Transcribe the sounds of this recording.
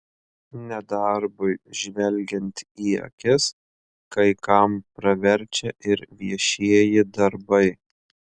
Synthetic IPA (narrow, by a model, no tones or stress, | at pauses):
nʲɛd̪ɐɾbʊɪʒʲʋʲɛlʲɡʲɛnʲt̪ʲiːɐ̰kʲɪs | kɐɪkɐmpɾɐʋʲɛɾʲˑt͡ʃʲɛʔɪɾʋʲiɛʃʲiɛjɪd̪ɐɾbɐɪ